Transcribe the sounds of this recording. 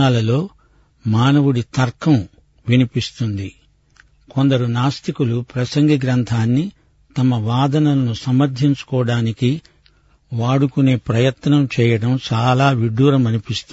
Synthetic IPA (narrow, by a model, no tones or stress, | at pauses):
aːlɐlo̞ː | maːnɐʋuɽit̪ɐɾkʰɐm | ʋinipist̪und̪i | ko̞nd̪ɐɾunaːst̪ikulupɾɐsɐŋɡiɡɾɐnt̪ʰaːnːi | t̪ɐmɐʋaːd̪ɐnɐlɐnusɐmɐɾd̪ʱiɲt͡ʃu̥kɔːɐɽaːniki | ʋaːɽukune̞ːpɾɐjɐt̪nɐmt͡ʃɛːjɐɽɐmt͡ʃaːlaːʋiɖːuːɾɐmɐnipist̪u